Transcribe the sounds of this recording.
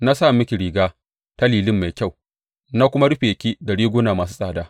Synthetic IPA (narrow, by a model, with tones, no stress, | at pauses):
na˦saː˦˨mɪ˦kʲi˨ɾiː˨ɡaː˦ | ta˦liː˨lɪ˦mːa˨jkʲa˦˨w | na˦kʷʊ˦ma˦ɽʊ˦ɸeː˨kʲi˦da˨ɽiː˦ɡʷʊ˦naː˨maː˨s̬u̥˦sʼaː˨daː˦